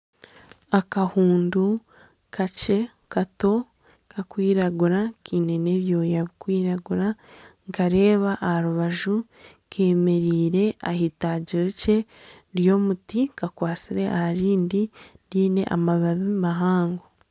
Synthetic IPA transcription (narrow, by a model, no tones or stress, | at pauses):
akahuːndu | kʰace̞ | kato̞ | kʰakwiːɾaɡuɾakʰiːne̞ne̞ːβjo̞ːjaβikwiːɾaɡuɾaŋkaɾe̞ːβaʔːhaɾuβaʒu | kʰe̞ːme̞ɾiːɾe̞a̰hitaːɟiɾice̞ | ɾjo̞ːmutikakwaːt͡siɾe̞ʔahaɾiːndiɾiːne̞̰ʔa̰maβaβimaɦaːŋɡo